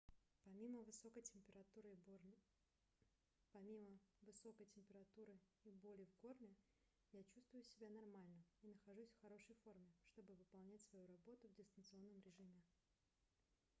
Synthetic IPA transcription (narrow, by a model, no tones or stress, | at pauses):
pɐmʲiməvɨso̞kəjtʲɪmʲpʲɪɾɐt̪uɾɨ | pɐmʲiməvɨso̞kəjtʲɪmʲpʲɪɾɐt̪uɾɨ | ibo̞lʲɪvko̞rnʲɪ | jat͡ɕust̪vʊjʊsʲɪbʲanɐrmalʲnəinəxɐʐusʲfxɐɾo̞ʂəjfo̞rmʲɪʂt̪o̞bɨvɨpɐlˠnʲætʲsvɐjuɾɐbo̞t̪ʊvdʲɪst̪ənt̪sɨo̞nːəmɾʲɪʐɨmʲɪ